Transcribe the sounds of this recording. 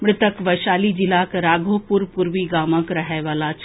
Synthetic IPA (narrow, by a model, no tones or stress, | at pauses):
mɽɪt̪əkʋəjʃaːlid͡ʒilakɾaːɡʱopuɾpuɾʋiɡaːməkɾɐɦɛʋaːlat͡ʃʰ